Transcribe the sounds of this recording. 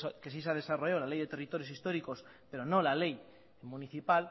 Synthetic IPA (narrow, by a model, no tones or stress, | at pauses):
kes̬isað̞esarojolalejðe̞t̪e̞rit̪o̞ɾjosist̪o̞ɾiko̞spe̞ɾonõlalej | muniθipal